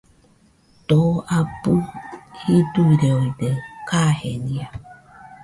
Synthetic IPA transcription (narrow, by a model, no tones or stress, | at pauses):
t̪oapuhid̪uɾeojd̪ekahenĩa